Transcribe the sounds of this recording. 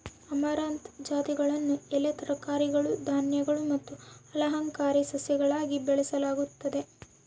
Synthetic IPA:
ɐmaɾaːnt̪d͡ʒaːt̪iɡɐɭɐnːuɛlet̪ɐɾɐkaːɾiɡɐɭud̪ʱaːnjɐɡɐɭumɐt̪ːuɐlɐɦɐŋkaːɾisɐsjɐɡɐɭaːɡibɛɭɛsɐlaːɡut̪ːɐd̪e̞

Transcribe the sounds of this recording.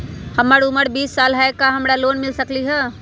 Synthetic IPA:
həməɾuməɽbiːsːaːlɦaekaɦəmɾaloːnmɪlsəkliɦɛ

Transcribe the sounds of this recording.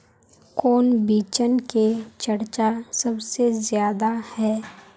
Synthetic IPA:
koːnbiːt͡ʃənket͡ʃɐɾt͡ʃasɐbsezjaːd̪ahɛː

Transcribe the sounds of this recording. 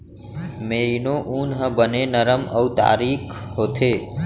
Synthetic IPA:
meːɾinoʔuːnɦəbənenəɾəməwt̪a̰ːɾikʰɦoːt̪ʰe

